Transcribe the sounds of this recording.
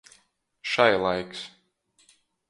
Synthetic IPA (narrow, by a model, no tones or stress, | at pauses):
ʃajlˠajks